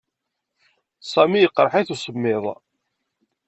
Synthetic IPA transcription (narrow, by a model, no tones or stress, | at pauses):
sˤɑmijəqːɾˤħaθusˤəmːɪðˤ